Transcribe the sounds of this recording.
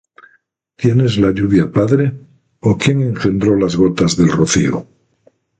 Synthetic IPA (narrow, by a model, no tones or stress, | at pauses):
t̪je̞ne̞zlaʎuβjapaðɾe̞ | okje̞ŋe̞ŋxe̞nd̪ɾo̞lazɣo̞t̪azðe̞lroθḭo̰